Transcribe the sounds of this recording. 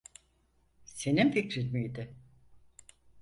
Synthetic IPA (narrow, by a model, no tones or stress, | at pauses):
se̞ninficɾiɾmijd̪ɪ